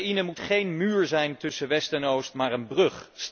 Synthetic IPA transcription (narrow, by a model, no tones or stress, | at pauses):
inəmutχejnmyːɹzɛjntɵsəʋɛstɛnowstmaːɹənbrɵχs